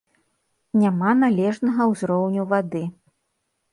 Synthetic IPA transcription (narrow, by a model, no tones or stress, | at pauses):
nʲamanalʲɛʐnɐɣɐwzɾɔwnʲuvad̪ɨ